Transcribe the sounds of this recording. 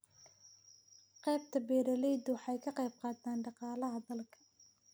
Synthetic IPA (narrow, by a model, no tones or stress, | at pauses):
qɛːb̚t̪ʰɐbɛːɾɐlɛjd̪ʊwħɑjkʰɐqɛjb̚qɑːd̪aːnɖɑqɑːlɐɦɐd̪ɐlkʰɐ̥